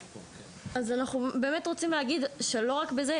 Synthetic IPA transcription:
azanaχnube̞ːme̞tʁot͡simleɦaɡid̪ʃe̞lo̞ʁakbeze

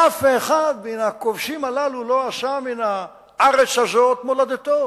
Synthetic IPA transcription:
ʔafeχad̪̚benakovʃimalalulo̞aʃamina | aʁet͡saʒot̪molad̪et̪o

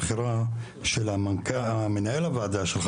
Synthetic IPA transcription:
χiɾa | ʃelamankamenaelavaːd̪aʃelχ

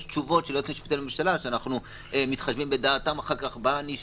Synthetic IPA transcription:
ʃt͡ʃuvo̞tʃelot͡simiʃpi̥t̪alemiʃalaʃeanaχnu | emit̪χaʃvimbe̞daːtamaχaʁkaχbaniʃ

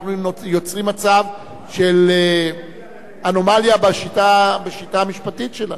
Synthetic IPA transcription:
χnunojo̞t͡sʁimat͡sav | ʃel | ano̞maljabaʃitabeʃitaːmiʃpatitʃela

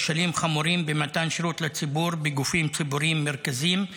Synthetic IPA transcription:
ʃalimχamuɾimbematanʃeɾut̪lat͡sibuɾbeɡufimt͡sibuɾimːeʁkazim

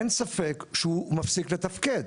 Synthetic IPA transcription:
nsafekʃumafsiklet̪ɐfked̪

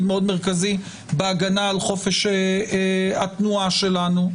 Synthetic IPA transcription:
d̪meo̞d̪meʁ̞kazi | beaɡanaːlχo̞feʃe | at̪nuaʃe̞lanu

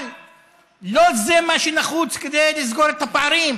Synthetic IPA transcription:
l | lo̞zemaʃenaχut͡sked̪ejlizɡo̞ɾet̪apeaɾim

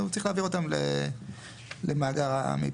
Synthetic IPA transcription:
ut͡sʁiχlaːviʁo̞t̪amlḛ | lemaːɡaʁa̰mḭ

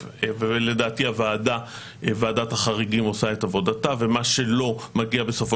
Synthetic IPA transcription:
vele̞daːtiavaːda | vaːdathaχaʁiɡimo̞sae̞tavo̞datave̞maʃe̞lo̞maɡiabe̞sofo

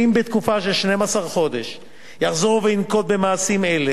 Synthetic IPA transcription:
imbet̪kufaʃelʃnemasaʁχo̞d̪e̞ʃ | jaχzoʁuveinko̞t̪̚be̞maːsime̞le

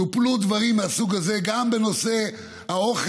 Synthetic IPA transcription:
uplud̪vaʁimasuɡaze̞ɡambeno̞se | hao̞χ

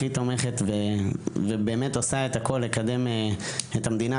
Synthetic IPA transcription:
it̪o̞me̞χe̞t̪vevebe̞ːmetosaet̪ako̞lːekad̪e̞meethamd̪ina

